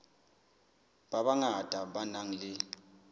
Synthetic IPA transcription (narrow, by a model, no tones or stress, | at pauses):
ɓaɓaŋad̥ʱaɓanaŋ̩lɪ